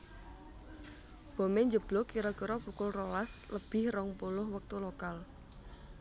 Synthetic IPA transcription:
b̥o̤meɲd͡ʒəb̥lɔkiɾɔkiɾɔpukʊlrolasləb̥ɪ̤hrɔŋpulʊhwək̚t̪ulokal

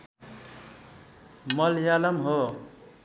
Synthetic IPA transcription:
mʌljalʌmɦo

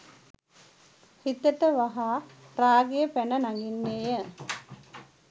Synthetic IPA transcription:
hit̪əʈəʋaɦaː | raːɡejəpænənaŋɡinːeːjə

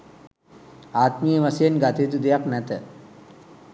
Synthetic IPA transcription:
aːt̪mijəʋasjenɡat̪et̪ud̪ejaknæt̪ə

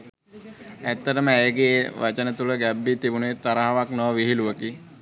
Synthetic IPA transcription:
æt̪ːəʈəməæjəɡeʋʔat͡ʃənət̪uləɡæbːit̪ibunet̪aɾaɦaʋaknɔʋəʋiɦiluʋəki

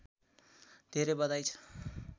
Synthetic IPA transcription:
d̪̥ʱeɾebʌd̪ajt͡sʰʌ̥

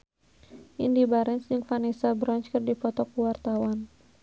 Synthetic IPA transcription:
ʔindibaɾɛnsd͡ʒɨŋfanɛsabɾɔɲt͡ʃkɨrdipɔt̪ɔkuwart̪awan

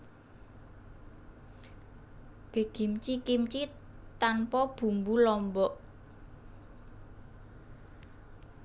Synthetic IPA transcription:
b̥e̤ɡ̥imt͡ʃikimt͡ʃit̪anpɔb̥ṳmbulɔmbɔʔ

